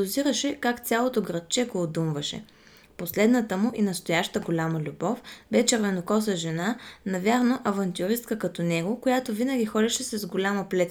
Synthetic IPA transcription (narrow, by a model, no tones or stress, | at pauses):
ʊziɾəʃɛkakt̪sʲalˠot̪oɡɾɐt̪̚t͡ʃɛɡoːd̪umvɐʃɛ̰ | poslɛd̪nət̪əmʊʔinɐst̪ojaʃt̪əɡolʲaməlʲubɔfbɛt͡ʃɛɾvɛnokɔsəʒɛnanɐvʲjaɾnoʔɐvɐnt̪ʲjʊɾist̪kəkɐt̪ɔnɛɡokojat̪ovinəɡʲixɔlʲɐʃɛsɐzɡolʲaməplɛt̪s